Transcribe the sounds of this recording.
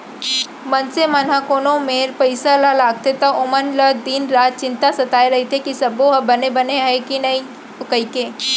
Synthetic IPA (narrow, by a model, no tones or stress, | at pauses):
mɐnsemɐn̤akoːnõmeːɾpɐɪsalalaːɡ̚t̪et̪aʔʊmənləd̪iːnɾaːt̪̚t͡ʃɪ̃nt̪asɐt̪aːeɾɐɦit̪ʰekisɐboɦɐbɐnebɐneɦɛkinɐĩ | ʊkɐikeː